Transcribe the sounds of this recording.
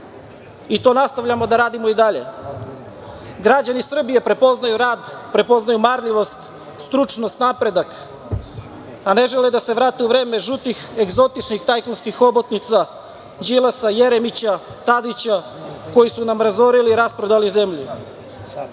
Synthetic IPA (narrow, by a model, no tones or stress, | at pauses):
it̪o̞nast̪aʋʎamo̞d̪aɾaːd̪imo̞id̪aʎe̞̰ | ɡɾad͡ʑanisr̩bije̞pɾepoznajuɾaːd̪pɾe̞po̞znajumaɾʎiʋo̞st̪ | st̪ɾut͡ʂno̞st̪napɾe̞d̪ak | ane̞ʒeled̪ase̞ʋɾaːt̪e̞uʋɾe̞ːme̞ʒut̪ixe̞ɡzo̞t̪it͡ʃnixt̪ajklonskixo̞bot̪nit̪sa | d͡ʑilˠasaje̞ɾemit͡ɕat̪ad̪it͡ɕa | ko̞jisunamɾazo̞ɾiliɾaspɾod̪alize̞mʎu